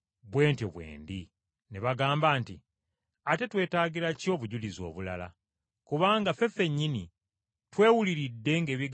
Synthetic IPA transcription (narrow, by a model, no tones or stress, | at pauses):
βweːnteβwḛːnd̪i | neβaɡaːmbaːntḭ | ate̞twe̞ːtaːɡiɾaco̞ːβuɟulizo̞̰ːβula̰la̰ | kuβaːŋɡafe̞fe̞ɲːini | twe̞ːwuliɾidːe̞ŋɡe̞ːβiɡ